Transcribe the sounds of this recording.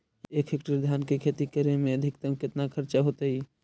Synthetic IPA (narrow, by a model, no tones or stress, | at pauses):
ekʰɦekʈəɾd̪ʱaːnkekʰet̪ikəɾemẽəd̪ʱɪkt̪əmkɪt̪nakʰəɾt͡ʃaɦot̪əɦi